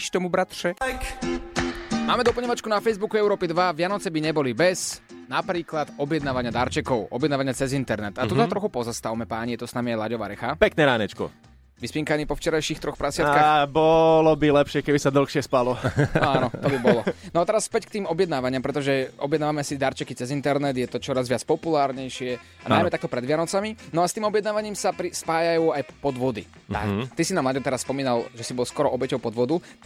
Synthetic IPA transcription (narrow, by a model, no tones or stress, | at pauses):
ʃt̪ɔmubɾat̪ʃɛk | maːmɛd̪ɔpl̩ɲɛʋat͡ʃkunafɛjzbukuɛʊɾɔːpid̪ʋaʋɪanɔt͡sɛbiɲɛbɔlibɛznapɾiːklad̪ɔbjɛd̪naːʋaɲɪad̪aɾt͡ʃɛkɔʊɔ̰bjɛd̪naːʋaɲɪat͡sɛzint̪ɛɾnɛt̪at̪ud̪at̪ɾɔxupɔzast̪aʊmɛpaːɲijɛt̪ɔsnamiajlaɟɔʋa̰ɾɛxapɛknɛɾaːɲɛt͡ʃkɔ̰ | ʋispiŋkaniːpɔft͡ʃɛɾajʃiːxt̪ɾɔxpɾasɪat̪kaːxbɔlɔbilɛpʃɪɛkɛbisad̪l̩xʃɪɛspalɔanɔt̪ɔbibɔlɔnɔat̪ɛɾasfpɛckt̪iːmɔbjɛd̪naːʋaɲɪampɾɛt̪ɔʒɛɔbjɛd̪naːʋamɛasid̪aɾt͡ʃɛkit͡sɛzint̪ɛɾnɛd̪jɛt̪ɔt͡ʃɔɾazʋɪat͡spɔpulaːɾɲɛjʃɪɛ | ana̰jmɛt̪akt̪ɔpɾɛd̪ʋɪanɔt͡saminɔast̪iːmɔbjɛd̪naːʋaɲiːmsapɾispaːjajuːajpɔd̪ʋɔd̪ḭ | a̰kt̪isinaːmlaɟɔmt̪ɛɾasːpɔmiːnalʒɛsibɔlskɔɾɔʔɔbɛcɔʊpɔd̪ʋɔd̪u